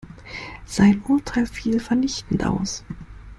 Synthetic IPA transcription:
z̥aɪnʔʊɐtʰaɪlfiːlfɛɐnɪçtn̩tʔa̰ʊs

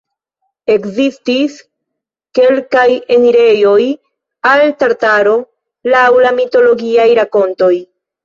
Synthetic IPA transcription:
e̞kzistis | ke̞lkaje̞niɾe̞jo̞j | altaɾtaɾo̞ | lawlamito̞lo̞ɡiajɾako̞nto̞j

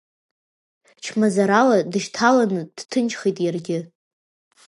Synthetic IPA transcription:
t͡ʃʰmazaɾaladɨʃtʰalanɨd̥tʰɨnt͡ʃχijtʼjarɡʲɪ

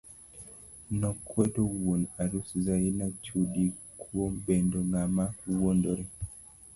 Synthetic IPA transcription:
nɔkʰwɛtɔwunaɾusizainat͡ʃuɗikʰuɔmbɛndɔnamawɔndɔɾɛ

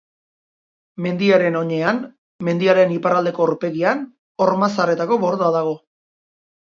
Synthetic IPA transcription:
me̞nd̪iaɾe̞no̞ɲe̞an | me̞nd̪iaɾe̞nipaɾald̪e̞ko̞ɾpe̞ɣian | o̞ɾmasare̞t̪ako̞βo̞ɾðo̞aðaɣ̞o̞

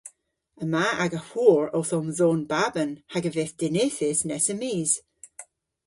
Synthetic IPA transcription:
əmaaɡəhuɹowθɔmzonbabənhaɡəveθd̥ɪneθɪsnɛsəmiːz̥

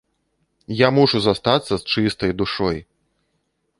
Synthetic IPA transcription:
jamuʂuzast̪at̪sːɐst͡ʂɨst̪ɐjd̪uʂɔj

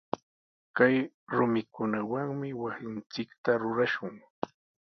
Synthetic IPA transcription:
kaj | ɾʊmɪkʊnawaŋmɪwasɪnt͡sɪkt̪aɾʊɾaʃʊŋ

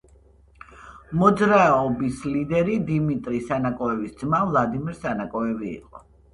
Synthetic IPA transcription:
mɔd̪zɾaɔbislid̪ɛɾid̪imit̪ʼɾisanakʼɔɛvisd̪zmavlˠad̪imiɾsanakʼɔɛvḭːqʼɔ

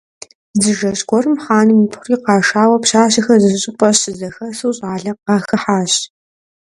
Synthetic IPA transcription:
zɨʒɐɕɡʷɔrɨmħaːnɨmiːpχʷʊriːqɑːʃaːwɐpɕaːɕɐxɐzɨɕʼɪpʼɐɕɪzɐxɐsɨːɕʼaːɮɐq̚ɑːxɐħaːɕ

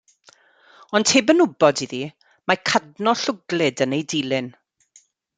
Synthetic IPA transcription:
ɔnd̥hʰeːbənʊbɔdiði | makʰadnɔɬʊɡlˠɪdənejdiːlˠɪn

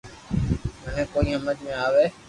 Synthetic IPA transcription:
məɦẽːkoːiːɦəməd͡ʒmẽaːʋeː

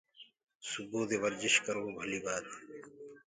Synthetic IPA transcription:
suboːd̪eʋɐɾzɪʃkɐɾoːbʱɐliːbaːt̪ː

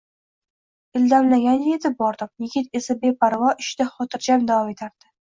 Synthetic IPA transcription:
ɪld̪amlaɡʲanje̞t̪ʰɪp̚bɒɾd̪ɪmjɪɡʲɪt̪e̞sabe̞pʰaɾvɒʔɪʃt̪aχɒt̪ʰɪɾd͡ʒamd̪avɒme̞t̪ʰaɾd̪̥ɪ

